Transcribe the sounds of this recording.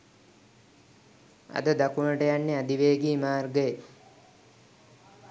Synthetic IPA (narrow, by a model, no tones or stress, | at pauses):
a̰d̪əd̪akunəʈəjanːead̪iʋeːɡimaːrɡəje